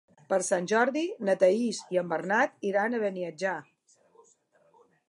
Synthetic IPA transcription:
pəɾsanʲʒɔɾðinət̪əisiəmbərnat̪iɾanəβəniəd͡ʒa

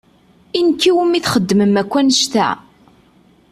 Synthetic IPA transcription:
inkːiwəmiθχəd̪ːməmækʷːænəʃt̪æ̰

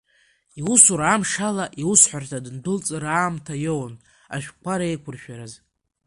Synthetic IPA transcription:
iusuɾamʂalaʔiwusħʷartʰadɨndɨlt͡sʼɨɾaːmtʰajown | a̰ʃᶣʷkʷʰaɾaejkʷʰʊrʃᶣaɾaz

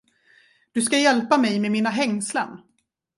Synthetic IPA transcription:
d̪̥ɵskajɛlpamɛjmemiːnaɦɛŋsla̰n

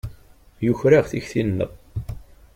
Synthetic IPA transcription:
jʊçɾaʁθiçθinːə̰ʁ

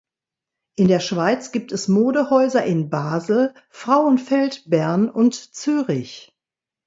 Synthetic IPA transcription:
ʔɪndeːɐʃv̥aɪt͡sɡ̥iːp̚tɛsmoːdəhɔʏzɐʔɪnbaːzl̩ | fʁ̥aʊənfɛltb̥æɐnʊntt͡syːʁɪç

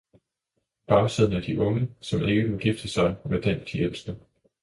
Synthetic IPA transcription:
b̥ɑ̈ʊseð̰ˠn̩æɐd̥iʔɔ̽ŋəsɒ̽me̝ɡ̥əʋelɡ̥ifd̥əsɑ̈ɪʋed̥end̥ʰiel̰sd̥ə

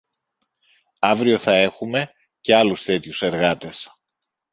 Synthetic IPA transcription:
ɐvɾio̞θɐe̞xume̞ | ce̞ɐlust̪e̞t̪çuse̞ɾɣɐt̪e̞s

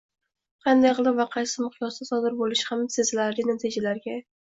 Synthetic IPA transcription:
qʰɑnd̪ajʁɨlˠɪpvaqʰɑjsɪmʊqjɒst̪asɒd̪ɪɾbolɪʃhamsezlaɾlʲɪnat̪ʰɪd͡ʒalaɾɡʲa

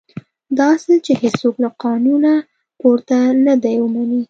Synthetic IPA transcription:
d̪ɑset͡ʃehesoklaqɑnuna | poɾt̪anad̪ajwəmani

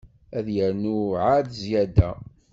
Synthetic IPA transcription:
æðjəɾnuʕad̪zjæd̪æ

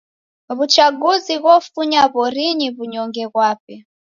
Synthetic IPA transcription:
βut͡ʃaɡuziɣɔfuɲaβɔɾiɲiβuɲɔŋɡɛɣwaːpɛ

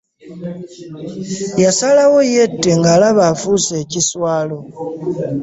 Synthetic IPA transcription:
jasalawo̞je̞tːe̞ŋɡalaβafuse̞ciswaːlo

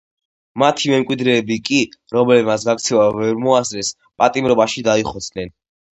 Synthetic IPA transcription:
mat̪ʰimɛmkʼwid̪ɾɛːbikʼiɾɔmɛlɛbmat̪s̬ɡak̚t̪sʰɛvavɛɾmɔasɾɛs | pʼat̪ʼimɾɔbaʃid̪aiχɔt̪sʰʼnɛn

